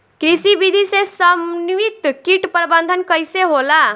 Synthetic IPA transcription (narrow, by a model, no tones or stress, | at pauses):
kɾisibid̪ʱisesəmnʋit̪kiʈpəɾbənd̪ʱənkəjseɦola